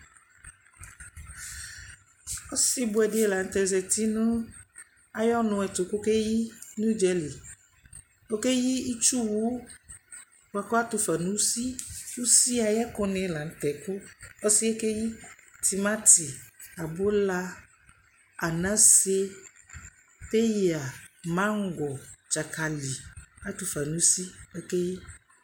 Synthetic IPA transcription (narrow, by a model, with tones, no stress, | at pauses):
o˦si˦bʊ˦ɛ˨de˦ɛ˨la˨n̩˦t̪ɛ˨zɛ˨t̪i˦nũ˦ | a˦jɔ˦nʊ̃˨˦ɛ˨t̪o˨ko˦ke˦ji˦nũ˦d͡ʒɛ˦le˨ | o˦ke˦ji˦i˦t͡ʃu˦wu˨˦ | wa˨kɔ˦a˦t̪o˨fɛ˨nũ˦si˦u˦si˦a˨jɛ˦kɔ˦nɛ̃˨˦la˨n̩˨˦tɛ˨ku˦ɔ˦si˦ɛ˦ke˦ji˦ti˨mã˦ti˨a˨bo˦la˧ | a˨nã˨˦se˦ | te˦ja˨mã˦ŋ̩˦ɡɔ˨t͡ʃa˨kʰa˨li˨a˦tu˨fa˨nũ˨˦si˦o˦ke˦ji˦